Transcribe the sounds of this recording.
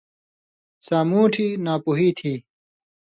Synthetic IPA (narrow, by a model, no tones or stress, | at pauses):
saːmuːʈʰiːnaːpuɦiːt̪ʰiː